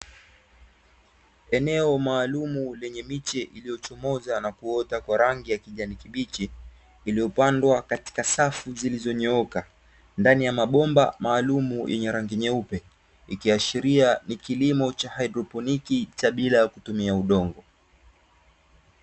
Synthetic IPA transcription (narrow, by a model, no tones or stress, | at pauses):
ɛnɛɔmaːlumulɛɲɛmit͡ʃɛʔilijɔt͡ʃɔmɔzanakuɔtakwaɾaŋɡijakiʄanikiɓit͡ʃiː | lijɔpandwakati̥kasafuzilizɔɲɛɔɔka | ndanijamaɓɔmba̰maːlumujʔɛ̰ɲɛɾaŋɡiɲɛupɛ | ikiaʃiɾianikilimɔt͡ʃahaidɾɔpɔnikit͡ʃaɓilajakutumiauɗɔŋɡɔ